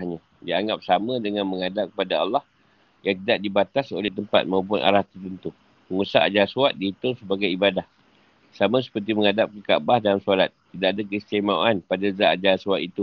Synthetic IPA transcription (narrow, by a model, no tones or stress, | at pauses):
ɲã | diaŋɡap̚samə̃dəŋãnməŋadap̚kəpadaɑ̰lːɑh | jaŋt̪̬idaʔ̚dibat̪asolɛht̪əmpa̰t̪̚maup̬ʊnʔa̰ɾaht̪ərt̪ənt̪u | məŋusa̰ʔad͡ʒasuat̪̚diɦit̪ʊŋsəbaɡajibadah | samãs̬ə̥pərt̪̬iməŋadap̚kəka̰ʔbahdalamsolat̪̚ːidaʔadakst̪amawanpadazaʔad͡ʒasuat̪it̪u